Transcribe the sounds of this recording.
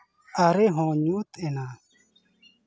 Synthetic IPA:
aɾeɦɔ̃ːɲuːt̪ɛnaː

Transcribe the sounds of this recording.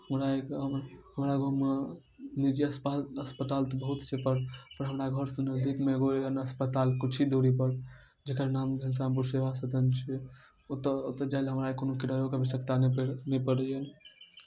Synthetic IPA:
həmɾaekɦəmɾaɡoɦm | nid͡ʒiəspaəspət̪alt̪ɔbəɦut̪t͡ʃʰepəɾpəɾɦəmɾaɡʱəɾsunəd̪ʱikmeɡoeənəspət̪alkut͡ʃʰid̪oɾipəɾ | d͡ʒekənamɡʱəns̬ampuɾseʋasət̪ənt͡ʃʰi | t̪t̪əd͡ʒailɦəmɾaekonokiɽəjokabisəkt̪annepəɽən

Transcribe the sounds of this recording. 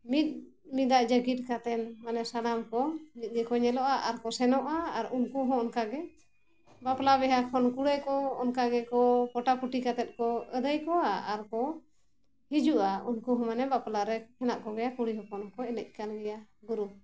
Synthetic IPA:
mit̪̚ | mid̪aʔd͡ʒəɡit̪̚kat̪ɛnmanɛsalamkɔmit̪̚ˀɡɛkɔɲɛlɔʔaʔaɾkɔsɛnɔʔaːɾunkuɦɔ̃ɔnkaɡɛ | baplaβɛɦakʰɔnkuɽɛkɔɔnkaɡɛkɔkɔʈapuʈikat̪ɛt̪̚kɔəd̪əjkɔaaɾkɔ | hid͡ʒuʔaunkuɦɔ̃manɛbaplaɾɛkʰɛnaʔkɔɡɛjakuɽiɦɔkɔnɔkɔɛnəc̚ˀkanɡɛjaɡuɾu

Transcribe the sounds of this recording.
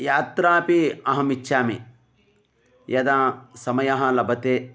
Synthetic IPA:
jaːt̪ɾaːpiɐɦɐmit͡ʃʃaːmḭ | jɐd̪aːsɐmɐjɐɦɐ̆lɐbʱɐt̪eː

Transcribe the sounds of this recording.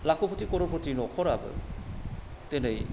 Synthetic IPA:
lakʰopʰot̪ikɔɾopʰɾot̪inɔkʰɔɾa̰b̰ | t̪enej

